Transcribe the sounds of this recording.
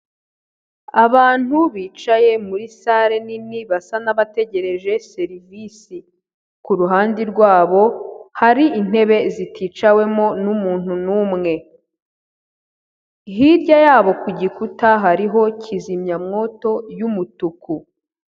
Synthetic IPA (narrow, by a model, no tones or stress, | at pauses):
aβaːn̥uβiːt͡ʃaje̞muɾisaɾe̞niniβasanaβate̞ɟe̞ɾe̞ʒe̞se̞ɾivisi | kuɾuɦaːndiɾɡwaːβo̞haɾiin̥e̞βe̞zitʰiːt͡ʃawe̞mo̞numuːn̥hunuːmŋe̞ | ɦiɾɟajaːβo̞kuɟikutaɦaɾiɦo̞cʰizimɲamŋo̞ːto̞jumutuku